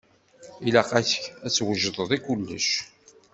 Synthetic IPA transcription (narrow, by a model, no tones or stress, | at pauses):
ilæqæçə̥çæt͡sːwəʒðˤəðˤikulːə̰ʃ